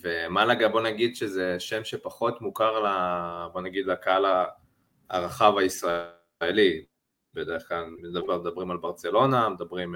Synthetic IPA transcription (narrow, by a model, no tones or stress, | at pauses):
vemalaɡabo̞naɡid̪ʃezeʃe̞mʃepaχo̞t̪mukaʁlabo̞naɡid̪lakaala | aʁaχavaisʁa | eli | bedeʁeχklalmed̪abemed̪abʁimalbaʁt͡se̞lo̞named̪abʁim